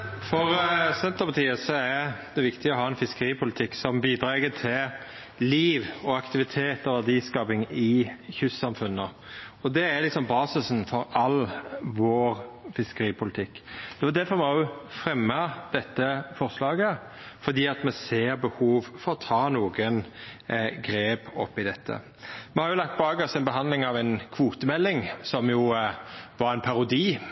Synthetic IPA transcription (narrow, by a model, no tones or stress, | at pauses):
fɔɾsɛnt̪əɾpɑt̪ʰiːəsɔæɾd̪̥ɛʋɪkt̪ɪəɔɦɑːɛnfɪskəɾiːpʰʊlɪt̪ʰɪkːsɔmbiːd̪ɾeːɡət̪ʰɪl | liːʋɔɑkt̪ɪʋɪt̪ʰeːt̪ɔʋæd̪iːskɑːpɪŋɪçʉsɑmfʉnːə | ɔd̪ɛæɾlɪksɔmbɑːsɪsnfɔɾɑlʋoːɾfɪskəɾiːpʰʊlɪt̪ʰɪkːd̪̥ɛʋɑd̪æɾfɔmɛʊfɾɛmːəd̪̥ɛt̪ːəfɔɾʁslɑːɡə | fɔɾd̪iːɑt̪mɛseːɾbəhuːʋfɔɾɔt̪ʰɑːnuːɡən | ɡɾeːpɔpːɪd̪ɛt̪ʰːə̰ | mɛhɑɾjʊlɑk̚t̪̚bɑːɡɑsɛnbəɦɑnd̪lɪŋɑʋænkʰʋuːt̪əmɛlːɪŋsɔmjʊ | ʋɑɾæɛɪnpʰɑɾʊd̪iː